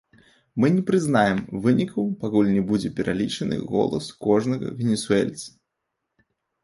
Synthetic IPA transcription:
mɨnʲɛpɾɨznajɛmvɨnʲikɐwpakulʲnʲɛbud͡zʲɛpʲɛɾʔalʲit͡ʂɐnɨ̰ɣɔ̰lˠɐskɔʐnɐɣɐ̰vʲɛnʲɛsuɛlʲt̪sɐ̥

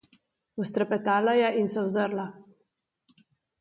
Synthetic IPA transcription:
ust̪ɾɛpɛt̪aːlajaʔinsɛwzəɾla

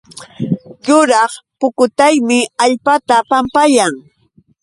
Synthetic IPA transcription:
jʊɾɑχpʊkʊt̪ajmɪaʎpat̪apampajaŋ

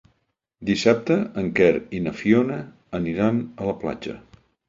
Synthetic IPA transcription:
d̪isap̚t̪əəŋkɛɾinəfionəː | niɾanələpla̰d͡ʒə̰

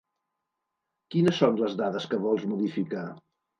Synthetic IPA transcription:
kinəsonləzðaðəskəβɔlˠzmuðifika

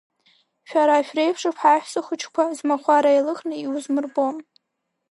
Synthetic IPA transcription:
ʃᶣaɾaːʃᶣrejpʰʂɨpʰħaħʷᶣsɨχʷʊt͡ʃʰkʷʰazmaχʷaɾajlɨχnɨiwuzmɨrbom

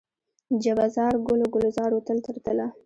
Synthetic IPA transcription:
d͡ʒabazɑɾɡʊloɡʊlozɑɾwot̪əlt̪əɾt̪əla

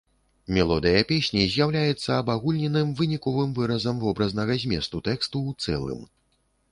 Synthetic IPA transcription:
mʲɛlˠɔd̪ɨjɐpʲesʲnʲizʲjawlʲajɛt̪sːɐːbaɣulʲnʲɛnɨmvɨnʲikɔvɨmvɨɾɐzɐmvɔbɾɐznɐɣɐzʲmʲɛst̪ut̪ɛkst̪uːt̪sɛ̰lˠɨ̰m

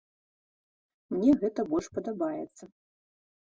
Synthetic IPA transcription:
mnʲɛɣɛt̪ɐbɔlʲʂpɐd̪abajɛt̪sːɐ

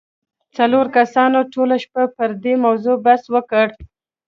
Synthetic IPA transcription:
t͡saloɾkasɑnoʈolaʃpapəɾd̪emawzobaswəkəɽ

